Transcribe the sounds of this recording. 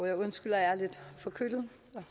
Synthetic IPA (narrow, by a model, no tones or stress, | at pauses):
jɑɪɔnsɡ̥yl̰ɐjɑle̝d̥fɒ̽kʰyll̩sɒ̽